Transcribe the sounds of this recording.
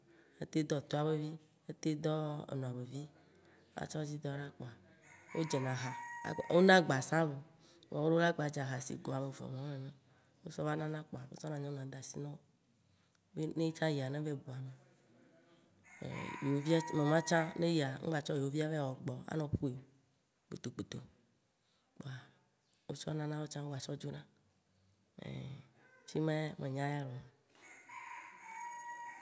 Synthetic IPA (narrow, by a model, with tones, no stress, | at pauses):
ḛ˦t̪e˦d̪ɔ˦˨t̪o˦a˨be˦vi˦ | e˦t̪e˦d̪ɔ˦ḛ˨nɔ̃˨a˨be˨vi˦ | a̰˦t͡ʃɔ˦zi˦d̪ɔ˦ɖa˦k͡pɔ˨a˨ | wo˦d͡ʒe˨nã˨ɦa̰˨wo˦nã˦ɡ͡ba˨sã˦vo˨˦ | ɔ˨wo˦ɖo˦la˦ɡ͡ba˨d͡ʒa˨ɦa˨sḭ˨ɡɔ˨a˨be˨vɔ̰˨mɔ̃˦ẽ˨nã˦ | wo˦sɔ˦va˦nã˦nã˦k͡pɔ˨a˨wḛ˦sɔ˦nã˨ɲɔ̃˦nã˨d̪a˨si˦nã˦o˦ | be˦nẽ˦i˦t͡ʃã˦ji˨a˨nẽ˦ve˦bu˨a˨me˨ | ḛ˨jo˦vi˦a˦nɔ̃˨mã˦t͡ʃã˦ne˦ji˨a˨ŋ̩̰˦ɡ͡ba˨t͡ʃɔ˦jwo˦vi˦a˦ve˦˨wɔ˨ɡ͡bɔ˨a̰˦nɔ̃˨ɸu˦i˨ | k͡pṵ˨t̪o˨k͡pu˨t̪o̰˨ | k͡po˨a˨ | wo˦t͡ʃɔ˦nã˦nã˦wo˦t͡ʃã˦ŋ̩˦ɡ͡ba˨t͡ʃɔ˦d͡ʒo˦nã˦ | ḛ˨t͡ʃi˦mẽ˦mʔe˨ɲã˦ja˦lɔ˨m˨